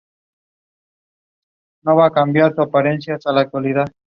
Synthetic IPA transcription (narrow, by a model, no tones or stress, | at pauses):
noβakambjaɾt̪uapaɾensjasalak̚t̪waliða